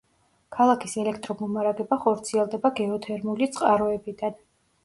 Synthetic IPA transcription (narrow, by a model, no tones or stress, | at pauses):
kʰalˠakʰisɛlɛkʰt̪ʼɾɔmɔmaɾaɡɛbaχɔɾt̪sʰiɛlˠd̪ɛbaɡɛɔt̪ʰɛɾmulit̪sʼqʼaɾɔɛbid̪an